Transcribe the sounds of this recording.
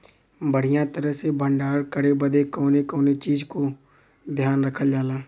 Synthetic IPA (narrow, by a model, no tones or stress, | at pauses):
bəɽ̤ijãt̪əɾəɦsebʱə̃ɳɖaːɾkəɽebəd̪ekɔːnekoːnet͡ʃiːd͡ʒko | d̪ʱjaːnɾəkʰəld͡ʒaːlãː